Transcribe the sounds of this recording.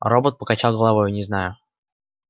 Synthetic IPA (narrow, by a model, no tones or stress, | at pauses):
ro̞bət̪̚pəkat͡ɕalˠɡəlˠɐvo̞jʊnʲɪznajʊ